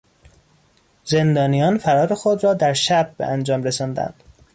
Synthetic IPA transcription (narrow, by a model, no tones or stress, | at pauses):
ze̞nd̪ɒːnijɒːnfæɾɒːɾexod̪ɾɒːd̪æɾʃæb̚ːḛʔænd͡ʒɒːmɾesɒːnd̪æ̰nd̪̥